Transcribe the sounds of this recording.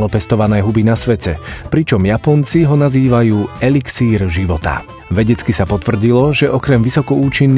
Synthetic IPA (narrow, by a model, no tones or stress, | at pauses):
lɔpɛst̪ɔʋanɛːɦubinasʋɛcɛpɾit͡ʃɔmjapɔnt͡siɦɔnaziːʋajuːɛliksiːɾʒiʋɔt̪a̰ | ʋɛɟɛt͡skisapɔt̪vr̩ɟilɔʒɛʔɔkɾɛmʋisɔkɔuːt͡ʃinː